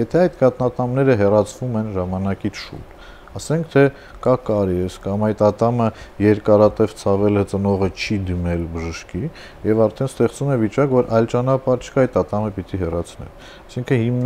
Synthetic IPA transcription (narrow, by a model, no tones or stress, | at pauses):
jɛt̪ʰɛɑjt̪kɑt̪nɑt̪ɑmnɛɾəɦɛrɑt͡sʰvumɛnʒɑmɑnɑkit͡sʰʃṵt̪ | ɑsɛŋkʰt̪ʰɛ | kɑkɑɾɛskɑmɑjt̪ɑt̪ɑməjɛɾkɑɾɑt̪ɛvt͡sʰɑvɛlət͡sənɔʁət͡ʃʰid̪imɛlbəʒəʃki | jɛvɑɾt̪ʰɛnst̪ɛχt͡sumɛvit͡ʃɑkvɔɾʔɑjlt͡ʃɑnɑpɑɾt͡ʃʰə̥kɑɑjt̪ɑt̪ɑməpit̪iɦɛrɑt͡sʰnɛ̰l | ɑsiŋkʰənhimn